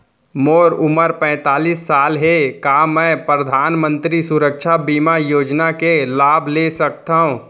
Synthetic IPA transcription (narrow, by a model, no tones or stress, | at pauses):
moːɾʊməɾpɛ̃ːt̪aːlisːaːlɦekamɛ̃pɾəd̪ʱaːnmə̃nt̪ɾisʊɾəkʃʰabiːmajoːd͡ʒnakelaːbʱlesək̚t̪aɦũ